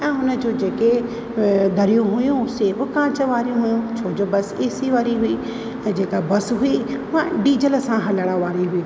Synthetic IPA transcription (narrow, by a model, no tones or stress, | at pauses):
ɛ̃ːɦʊnə̆d͡ʑoːd͡ʑeːke | d̪ʱɐɾijũɦʊjũsɪːfkãːt͡ɕəʋaːɾijũɦʊjũt͡ɕʰoːd͡ʑoːbɐseːsiʋaːɾiɦʊĩ | d͡ʑeːkabɐsɦʊiʊãɖiːd͡ʑəl̆sãɦɐləɽ̃aʋaːɾiɦʊiː